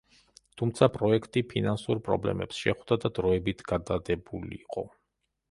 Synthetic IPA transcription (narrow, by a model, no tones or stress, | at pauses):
t̪ʰumt̪sʰapʼɾɔɛkʰt̪ʼipʰinansuɾpʼɾɔ̰blɛ̰mɛ̰psʃɛχvd̪ad̪ad̪ɾɔɛbit̪ʰɡ̥ad̪ad̪ɛbulḭːqʼɔ